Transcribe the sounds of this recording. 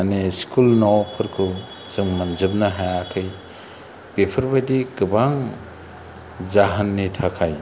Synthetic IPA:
aneskʰulnawpʰɯɾkʰu | zɯŋmanzɯb̚nɐɦajakʰɯj | pepʰɯɾbadiɡɯbaŋ | zaɦɐnːitʰakʰaj

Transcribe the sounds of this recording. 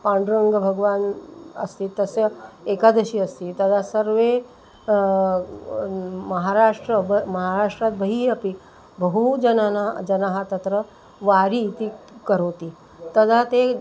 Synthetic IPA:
pãːɳɖɾəŋɡəbʱɐɡʋaːnɐ̰st̪it̪ɐsjekad̪əʃiɐst̪it̪ɐd̪ʱasəɾʋe | mɐɦaɾaːʂʈɾəbmɐɦaɾaːʂʈɾat̪̚bʱəɦiɐpi | bəɦud͡ʒɐnanad͡ʒɐnaɦat̪ɐt̪ɾə | ʋaːɾit̪i | kəɾoːt̪i | t̪ɐd̪ʱat̪e

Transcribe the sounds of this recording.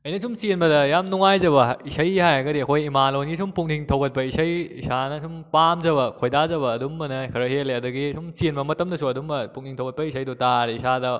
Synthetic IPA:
ɐjnɐsʰumsienbɐdɐjamnuŋajzɐbɐisɐjhajɐɡɐdiɐkʰojimalonɡisumpuŋniŋtʰɐwɡɐt̚pɐisɐjisanɐsumpamzɐbɐkʰojdazɐbɐːdumbɐnɐkʰɐɾɐɦeleɐdɐɡisumsinbɐmɐtɐmdɐsuɐdumbɐpuŋniŋtʰɐwɡɐt̚pɐis̬ʰɐjdutaɾiisadɐ

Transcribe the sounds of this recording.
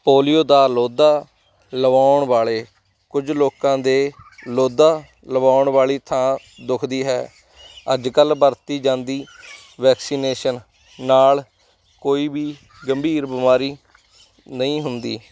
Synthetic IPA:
poːlijoːd̪aːloːd̪aː | ləʋaːʊɳʋaːɭeː | kʊd͡ʒloːkãːd̪eːloːd̪aː | ləʋaːʊɳʋaːɭiːt̪ʰãː | d̪ʊkʰd̪iːɦɛː | ə̰d͡ʒkəlbəɾt̪iːd͡ʒãːnd̪iː | ʋɛːksiːneːʃənː | aːl | koːiːbiː | ɡəmbʱiːɾbɪmaːɾiː | nəĩːɦʊnd̪iː

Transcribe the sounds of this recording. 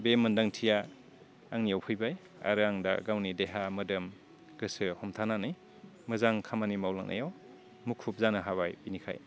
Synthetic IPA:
bemɯndaŋtʰija | aŋnijawpʰɯjbaj | a̰ɾɯaŋda̰ɡawnideɦamɯdɯm | ɡɯsɯhɔmtʰananɯj | mɯzaŋkʰamanimawla̰ŋnʔa̰jaw | mukʰːup̚zanɯɦaβajbinikʰa̰j

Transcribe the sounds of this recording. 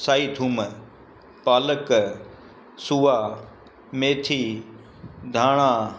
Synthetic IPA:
saːit̪ʰuːm | paːlək | suːaː | meːt̪ʰiː | d̪ʱaːɽ̃aː

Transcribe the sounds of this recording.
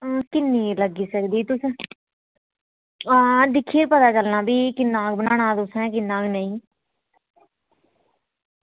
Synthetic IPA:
kɪnːiːləɡiːsəkd̪iːt̪ʊs | d̪ɪkʰːieːpət̪aːt͡ʃəlnaːbiːkɪnːaːk̚bənaːɽ̃ãːt̪ʊsɛ̃ːkɪnːãːknəĩː

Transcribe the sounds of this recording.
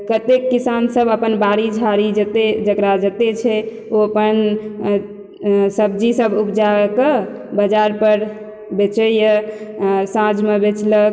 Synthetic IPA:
kət̪ekːisansəbəpənbaɾid͡ʒʱaɾid͡ʒət̪ed͡ʒəkɾad͡ʒət̪et͡ʃʰɛ | oəpən | səb̚d͡ʒisəbupd͡ʒakəbəd͡ʒaɾpəɾ | bet͡ʃəjə | sãd͡ʒmebet͡ʃlək

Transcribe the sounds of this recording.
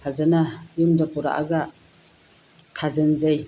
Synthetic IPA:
azɯnajumdapuɾa̰ʔa̰ɡa | kʰazɯnzaj

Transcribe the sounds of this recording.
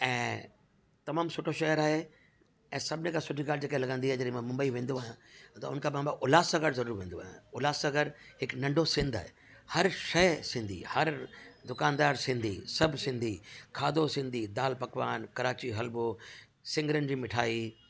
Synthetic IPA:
ɛ̃ː | t̪ɐmaːmsʊʈʰoʃɐɦəɾaːɦe | ɛ̃ːsɐbʱɪnekʰãsʊʈʰikaːld͡ʑeːkɐ̃lɐɡə̃nd̪iɦaɦed͡ʑɐɗẽmãmʊ̃mbəiʋẽːn̆d̪oaːjãt̪ɐʊ̰nəkʰãːpãːmbaʔʊlaːsɐɡəɾzɐɾuːɾʋẽːn̆d̪oa̰ːɦjã̰ʊlaːsɐɡəɾhɪknɐ̃ɳɖʱosɪ̃nd̪a̰ːɦe | hɐɾʃɐɦsɪ̃nd̪ʱḭhɐɾd̪ʊkaːnd̪aːɾsɪ̃nd̪ʱḭsɐbʱsɪ̃nd̪ʱikʰaːd̪ʱosɪ̃nd̪ʱid̪aːlpɐkʋaːnkɐɾaːt͡ɕiɦɐlbo | sɪ̃ŋɡəɾən̆d͡ʑiːmɪʈʰaːi

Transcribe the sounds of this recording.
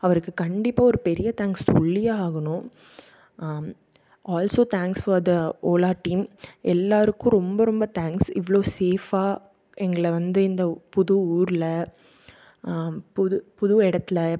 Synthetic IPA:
ɐʋɐɾɯkːɯkɐɳɖɪpːaːɔɾɯpɛɾɪjɐt̪aːŋkstɔɭːɪjaaːɣɐɳʊ̃ | ʔaːlsoːt̪ʰaːŋksfɔɾd̪ɐʔoːlaːɾʈːiːmʔɛlːaːɾɯkːʊ̃ɾɔmbɐɾɔmbɐt̪aːŋksɪʋɐɭoːseːfaː | ɛŋɡɐɭɐʋɐnd̪ɯɪnd̪ɐpʊðʊuːɾɪlɐ | pʊðpʊðʊɛɽɐt̪ːɪlɐ

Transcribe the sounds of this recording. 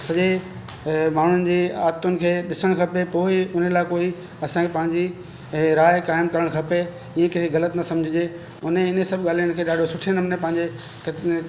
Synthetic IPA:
sɐʄe | maːɳ̤ʊnɪ̆d͡ʑiːaːt̪ʊnɪ̆kʰeːɗɪsəɽ̃kʰɐpepoːɪʊnəlaːɪkoːi | ɐsãkʰepɐ̃ɦɪ̃ɲd͡ʑi | ɾaːɪkaːɪmkɐɾəɽ̃kʰɐpe | ĩẽkɐɦɣɐlət̪nɐsɐ̃md͡ʑʱɪd͡ʑe | ʊneɪnesɐbʱɠaːl̤ijʊnɪ̆kʰeːɗaːɖʱosʊʈʰenɐmnẽpɐ̃ɦɪ̃ɲd͡ʑe | k

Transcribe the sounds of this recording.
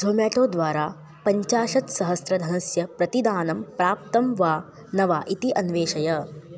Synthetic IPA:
d͡ʒʱoːmjaːʈoːd̪ʋaːɾaː | pɐɲt͡ʃaːʃɐt̪sɐɦɐsɾɐd̪ʱɐnɐsjɐpɾɐt̪id̪aːnɐmpɾaːp̚t̪ɐmʋaː | nɐʋaːʔit̪iʔɐnʋeːʃɐjɐ

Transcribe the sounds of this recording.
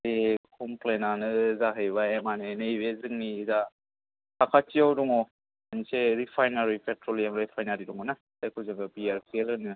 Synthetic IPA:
ekʰɔmplenanɯzaɦɯjβaemanenɯiβezɯŋniza | akʰat͡ʃiawdɔŋɔ | aniseɾipʰajnaɾipʰetɾolijamɾepʰajnaɾidɔŋɔna | ajkʰɯzɯŋɡɯbiaɾpʰelɯnɯ

